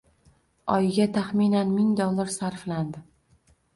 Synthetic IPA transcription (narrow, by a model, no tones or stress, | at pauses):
ɒjɪɡʲat̪ʰaχmɪnanmɪŋd̪olˠːaɾsaɾfland̪ɪ